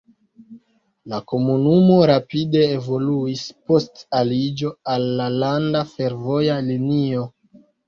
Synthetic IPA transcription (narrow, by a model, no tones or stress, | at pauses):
lako̞munumo̞ɾapide̞ːvo̞luispo̞stalid͡ʒo̞alːalandafe̞ɾvo̞jalinio̞